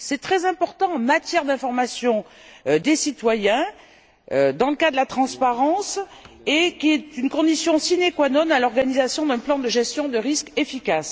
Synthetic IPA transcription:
sɛt̪χɛzɛ̃pɔʁt̪ɑ̃ɑ̃mat̪jɛʁd̪ɛ̃fɔʁmasjɔ̃d̪esit̪wajɛ̃ | ød̪ɑ̃ləkad̪əlat̪χɑ̃spaʁɑ̃s | ekʲiɛt̪ynkɔ̃d̪isjɔ̃sinekwanɔnalɔʁɡanizasjɔ̃d̪ɛ̃plɑ̃d̪əʒɛst̪jɔ̃d̪əʁiskefikas

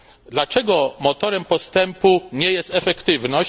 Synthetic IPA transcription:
d̪lat͡ʂɛɡɔmɔt̪ɔɾɛmpɔst̪ɛmpuɲɛjɛst̪ɛfɛkt̪ɘvnɔɕ

